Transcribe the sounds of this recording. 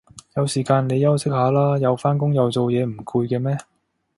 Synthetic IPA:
jɐ˨˧wsiː˨˩kaː˧nle˨˧jɐ˥wsɪ˥k̚haː˨˥laː˥jɐ˨˧wfaː˥nk̬ʊ˥ŋjɐ˨˧wt͡so˨wjɛː˨˧m̩˨˩kʰuː˧jkɛː˧mɛː˥

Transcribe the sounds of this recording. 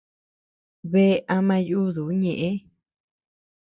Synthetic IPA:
βe˧˦ʔa˧mã˧ju˦ðu˨˦ɲẽ˨ʔẽ˦

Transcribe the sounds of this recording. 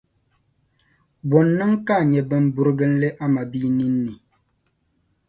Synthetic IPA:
bɔ˨nːə˦ŋka˦˨ɲɛ˨bə˨m˦bu˨ɾɡə˦n̩˦le˦ʔa˦ma˨bi˦ni˦nː˦i˨

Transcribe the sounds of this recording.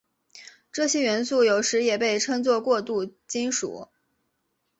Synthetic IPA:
ʈ͡ʂɤ˥˩ɕjɛ˥ɥɛ˧˥nsu˥˩jo˨˩ʊʂɻ̩˧˥jɛ˨˩pe˥˩ɪʈ͡ʂʰɤ˥ŋt͡swɔ˥˧kwɔ˥˧t̪u˥˩t͡ɕi˥nʂṵ˨˩˦

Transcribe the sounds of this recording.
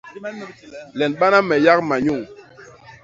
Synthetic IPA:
lɛ˨nɓa˦na˦mɛ˨ja˦k̚ma˨ɲu˦˨ŋ

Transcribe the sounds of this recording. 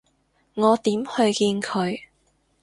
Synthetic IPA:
ŋɔː˨˧t̪iː˨˥mhɵ˧ɥkiː˧nkʰɵ˨˧ɥ

